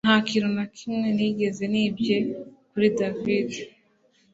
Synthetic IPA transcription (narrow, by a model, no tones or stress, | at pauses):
nhakiɾunakʰimŋe̞niɡe̞ze̞niːbje̞kuɾidavid